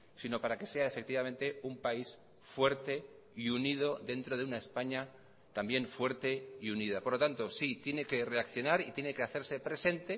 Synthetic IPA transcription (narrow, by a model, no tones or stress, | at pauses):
sino̞paɾake̞se̞ae̞fe̞k̚t̪iβamẽ̞nt̪e̞umpais | fwe̞ɾt̪e̞ | iunið̞o̞ðe̞nt̪ɾo̞ð̞eunae̞spaɲa | t̪ambje̞ɱfwe̞ɾt̪e̞iunið̞apo̞ɾlot̪ant̪osit̪je̞ne̞ke̞re̞akθjo̞naɾit̪jene̞ke̞aθe̞ɾse̞pɾe̞se̞nt̪e̞